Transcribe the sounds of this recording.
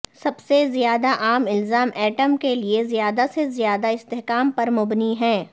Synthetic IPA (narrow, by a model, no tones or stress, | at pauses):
sɐbsezijaːd̪aʔaːmɪlzaːmʔɛːʈəmkeliezijaːd̪asezijaːd̪aɪst̪ɛɦkaːmpɐɾmʊbniɦɛ̃ː